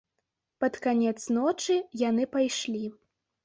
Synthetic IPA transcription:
pɐt̪kanʲɛt̪snɔt͡ʂɨjanɨpajʂlʲi

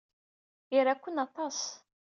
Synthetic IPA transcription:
iɾækʷːənɑt̪ˤɑs

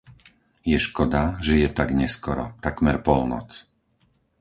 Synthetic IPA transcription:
jɛʃkɔd̪aʒɛjɛt̪aɡɲɛskɔɾɔ̰t̪akmɛɾpɔlnɔ̰t͡s

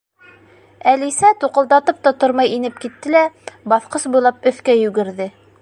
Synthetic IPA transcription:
ælisæt̪uqɤ̆lˠd̪ɑt̪ɤp̚t̪ɑt̪ŏɾmɑjinɘp̚kit̪ːɘ̆læbɑθqɤsbujlˠɑp̚ɵ̆θkæjʉɡɘ̆ɾðɘ

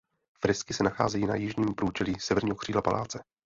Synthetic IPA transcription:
fɾɪskɪsɛnaxa̰ːzɛjiːna̰jɪʒɲiːmpɾuːt͡ʃɛliːsɛvɛɾɲiːɦokr̥iːdlapa̰lʔa̰ːt͡sɛ

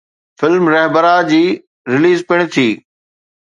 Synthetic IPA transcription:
fɪlmɾɛɦbəɾad͡ʑiː | ɾɪliːzpɪɽ̃t̪ʰiː

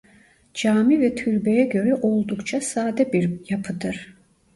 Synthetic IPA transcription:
d͡ʒaːmivɛt̪ʰyɾbejɛɟø̞ɾɛʔo̞lˠd̪ukt͡ʃʰasaːd̪ɛbiɾjapʰɯd̪ɯɾ̥

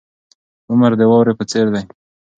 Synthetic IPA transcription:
ʊmaɾd̪əwɑwɾepət͡seɾd̪aj

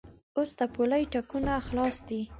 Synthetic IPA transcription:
osd̪əpolajʈakunaxlɑsd̪i

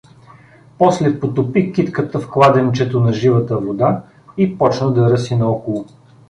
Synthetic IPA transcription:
pɔslɛpot̪opikit̪kət̪əfklˠad̪ɛnit͡ʃɛt̪onɐʒivət̪əvod̪a | ipɔt͡ʃnəd̪ɐɾəsinɐɔkolˠo

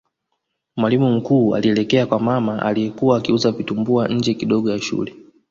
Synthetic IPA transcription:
mwalimum̩kuːa̰liɛlɛkɛakwamamaʔa̰liɛkuwaːkiuzavitumbuaɲ̩d͡ʒɛkiɗɔɠɔjaʃṵlɛ

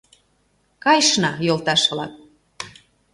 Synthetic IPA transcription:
kɑjʃnɑjolt̪ɑʃlɑ̰k̪̚

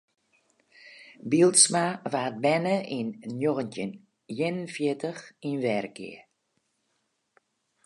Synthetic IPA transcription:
bilˠtsmaʋaːt̚bɛnəʔinnjoɣəntjən | jɪnənfjɪtəxinʋɛːrkɪ̰ə

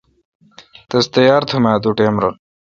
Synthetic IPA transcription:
t̪ɐst̪ɐjaːɾt̪ʰumaːd̪uʈeːmɾɐ

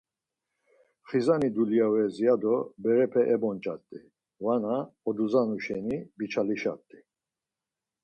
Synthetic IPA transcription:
χizanid̪ulijavɛzijad̪ɔbɛɾɛpʰɛʔɛbɔnt͡ʃʼa̰t̪ʼi | vanaɔd̪uzanuʃɛnibit͡ʃʰaliʃa̰t̪ʼːi

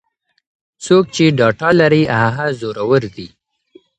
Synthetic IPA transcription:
t͡sok̚t͡ʃeɖɑʈɑlaɾiaɦazoɾawəɾd̪i

